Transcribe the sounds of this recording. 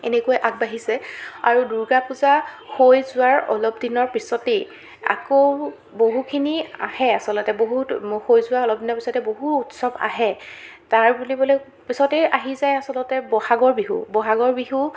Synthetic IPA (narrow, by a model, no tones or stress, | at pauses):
ḛnekuojʔak̚baɦisɛa̰ɹuduɹɡapuzaxojzʊwaɹɔ̰lɔpdinɔɹpisɔte | a̰ko | boɦukʰinia̰hɛasɔlɔtɛboɦutxojzʊwaɔlɔb̚dinɔɹpisɔtɛboɦuutsɔba̰ɦɛ | taɹbulibolɛ | pisɔteaɦizajasɔlɔtɛbɔhaɡɔɹbiɦṵbɔɦaɡɔɹbiɦu